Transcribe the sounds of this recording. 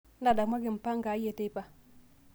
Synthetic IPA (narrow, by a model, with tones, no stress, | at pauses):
n˦da˨da˨ma˦ɡi˨m˨pa˦ŋɡa˨˦je˦˨te˦i˦pa˨